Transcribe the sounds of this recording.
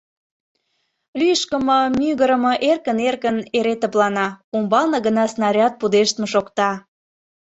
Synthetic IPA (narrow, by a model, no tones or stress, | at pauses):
lyjəʃkəmɤ̆myɣəɾə̆mɤ̆ʔerkənerkəneɾet̪ə̆plɑnɑumbɑlnɤ̆ɣənɑsnɑɾʲɑt̪̚pud̪eʃt̪mɤ̆ʃokt̪ɑ